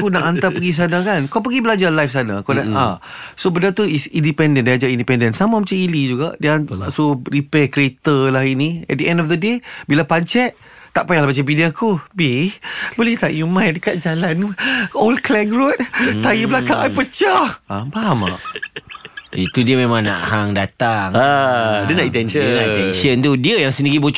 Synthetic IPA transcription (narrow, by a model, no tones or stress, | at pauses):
kunaʔant̪apəɡis̬anakankawp̬əɡibəlad͡ʒalajfs̬ana̰kanaʔa̰sobəndat̪uisindipɛndəndaad͡ʒaindipɛndənsamamat͡ʃamilid͡ʒuɡaʔdəsoɾipɛkɾet̪əlahinĩɛ̰t̚dəɛ̃ndɔfd̪ədebilapaɲt͡ʃɛt̪̚ | t̪aʔpajalahbat͡ʃabidiakubibolɛht̪aʔjumãjdəkat̪̚d͡ʒalanolklɛŋɡɾut̪̚t̪ajibəlakãŋʔajpət͡ʃahapaɦama̰ʔ | it̪udiəmẽmãŋna̰ʔhaŋdat̪aŋadənait̪ɛnənat̪ɛnʃənt̪udiəjaŋsəniɾibo